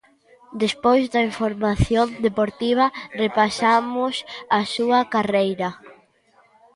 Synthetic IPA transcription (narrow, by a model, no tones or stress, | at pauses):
d̪espojzd̪ɐiɱfoɾmaθjond̪epoɾt̪iβ̞ɐrepasamʊsasuɐkarejɾɐ